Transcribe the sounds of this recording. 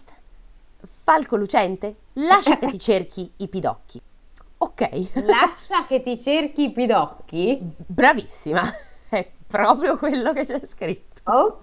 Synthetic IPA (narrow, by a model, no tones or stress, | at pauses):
t̪ | falkolut͡ʃɛnt̪e | laʃːaket̪ːit͡ʃerk̟ʰiːpid̪ɔ̰kʰːi | okːɛ̰jlaʃːaket̪ːit͡ʃerkiːpid̪ɔkːibɾavisːimaɛpːɾɔːpɾjokwelːoket͡ʃːɛskɾit̪ːo̥